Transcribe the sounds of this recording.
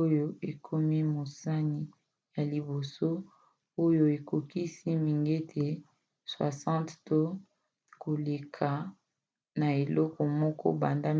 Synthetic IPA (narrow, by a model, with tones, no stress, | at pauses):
o˦jo˦e˨kʰo˦mi˦mo˨sa˦ni˨ | ja˨li˨bo˨so˦ | o˦jo˦e˨ko˨ki˦si˦mi˨ŋɡe˦tʰe˨ | swa̰˨sɑ̃˦tto˦ | ko˨le˨kʰa˨ | na˨e˨lɔ˦kɔ˨mɔ˦kɔ̰˦ba˨nda˦